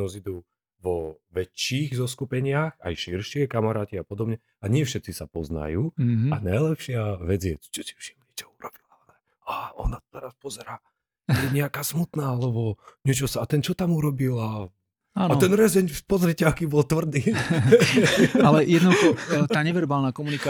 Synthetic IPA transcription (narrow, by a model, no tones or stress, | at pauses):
ɔzid̪uː | ʋɔʋɛt͡ʃːiːɣzɔskupɛɲɪaxa̰jʃiɾʃɪɛkamaɾaːciapɔd̪ɔbɲɛ | aɲɪɛfʃɛt̪t͡sisapɔzna̰juːa̰najlɛpʃɪaʋɛd͡zjɛ̰̥t͡ʃɔsi̥fʃi̥mɲit͡ʃɔuɾɔb̥ilaɛlɛ | aɔ̰nat̪ɔ̥t̪ɛɾaspɔzɛɾaː | t̪ɔjɛɲɛakaːsmut̪naːalɛbɔɲɪɛt͡ʃɔsaːt̪ɛnt͡ʃɔt̪amuɾɔbila | aːnat̪ɛnɾɛzɛɲpɔzɾɛcɛakibɔlt̪ʋr̩d̪iː | alɛjɛd̪nɔd̪uxɔt̪aːɲɛʋɛɾbaːlnaːkɔmunika